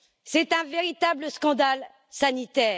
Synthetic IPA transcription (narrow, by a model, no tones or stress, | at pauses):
sɛt̪ɛ̃veʁit̪abləskɑ̃d̪al | sanit̪ɛː